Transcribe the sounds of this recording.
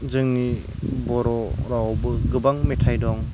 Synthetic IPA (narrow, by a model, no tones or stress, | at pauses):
zɯŋni | bɔɾɔɾawwbɯɡɯbaŋmetʰajdɔŋ